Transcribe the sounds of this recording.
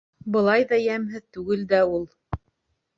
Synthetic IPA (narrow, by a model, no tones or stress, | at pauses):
bɤ̆lˠɑjðɑjæmɦɘðt̪ʉɡɘld̪æulˠ